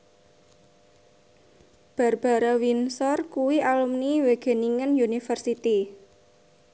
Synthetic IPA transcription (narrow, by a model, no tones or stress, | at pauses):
b̥a̤rb̥a̤ɾawinsɔrkuwiʔalumniweɡ̥e̤niŋənjunifərsit̪i